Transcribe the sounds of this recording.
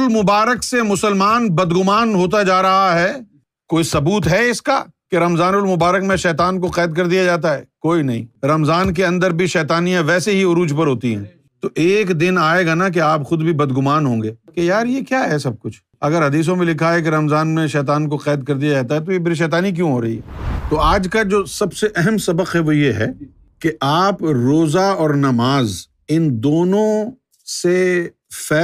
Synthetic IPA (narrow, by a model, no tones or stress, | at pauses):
lmʊbaːɾəksemʊsəlmaːnbɐd̪ɡʊmaːnɦoːt̪̬ad͡ʒaːɾɐɦaɦɛː | koːisɐbuːt̪ɦɛɪska̰keɾɐmzaːnʊlmʊbaːɾəkmẽʃɛːt̪aːnkoqɛːd̪̚kɐɾd̪ijad͡ʒaːt̪aɦɛːkoːinɐɦḭ̃ːɾɐmzaːnk̬eɐ̃nd̪əɾbʱiʃɛːt̪aːnijãʋɛːseɦiʊɾuːd͡ʒpɐɾɦoːt̪iɦɛ̰̃ː | t̪oʔeːkd̪ɪnaːeɡanak̬eaːpxʊd̪bʱibɐd̪ɡʊmaːnɦõːŋɡeːkejaːɾjekjaːɦɛsɐb̚kʊt͡ʃʰ | ɐɡəɾɦɐd̪iːs̬õmẽlɪkʰaɦɛk̬eɾɐmzaːnmẽʃɛːt̪̬aːnkoqɛːd̪̚kɐɾd̪ijad͡ʒaːt̪̬aɦɛt̪̬ojebɪɾiʃ̬ɛːt̪aːnik̬jõɦoːɾɐɦḭɦɛt̪oaːd͡ʒkad͡ʒoːsɐbseʔɛɦɛmsɐbəqɦɛʋojeɦɛ̰ː | keʔaːpɾoːzaɔːɾnɐmaːz | ɪnd̪oːnõ | se | fɛː